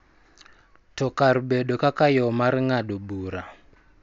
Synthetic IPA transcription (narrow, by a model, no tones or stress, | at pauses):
tʰɔkaɾuɓɛɗɔkakajɔmaɾiŋaɗɔbuːɾa